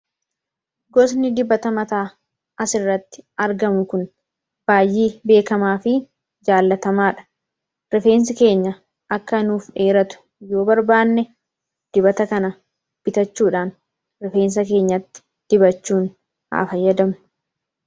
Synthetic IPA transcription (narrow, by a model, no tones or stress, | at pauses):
ɡɔs̬nɪd̪ɪbːɐt̪ɐmɐt̪aː | ʔɐsɪrːɐt̪ːɪ̥ʔɐɾɡɐmʊkʊn | b̥aːjːiːbe̞ːkɐmaːfɪ | d͡ʒaːlːɐt̪ɐmaːᶑɐ̥ | ɾɪfe̞ːns̬ɪke̞ːɲːɐ | ɐkːɐɪnuːfᶑe̞ːɾɐt̪ʊ̥ | jo̞ːbɐɾbaːnːɛ | d̪̥ɪbɐt̪ɐkɐnɐ | b̥ɪt̪ɐt͡ʃːuːᶑaːn | ɾɪfe̞ːns̬ɐke̞ːɲːɐt̪ːɪ̥ | d̪̥ɪbɐt͡ʃːuːn | ha̰ːfɐjːɐd̪ɐmʊ̥